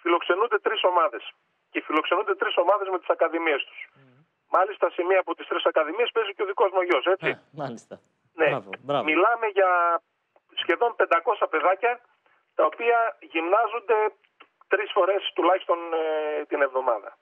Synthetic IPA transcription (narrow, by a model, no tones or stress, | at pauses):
filo̞kse̞nund̪e̞t̪ɾiso̞mɐðe̞s | cefilo̞ksenund̪et̪ɾiso̞mɐðe̞zme̞t̪i̥sɐkɐðimiest̪u̥s | mɐlist̪ɐsimiɐːpot̪ist̪ɾisɐkɐðimie̞spe̞ziceoðiko̞zmoʝo̞se̞t͡si | ne̞milɐme̞ʝɐ | sçe̞ðo̞mpe̞nd̪ɐko̞sɐpe̞ðɐcɐ | t̪ɐopiɐʝimnɐzond̪e̞ | t̪ɾisfo̞ɾe̞st̪ulɐçi̥st̪o̞nt̪ine̞vðo̞mɐðɐ̰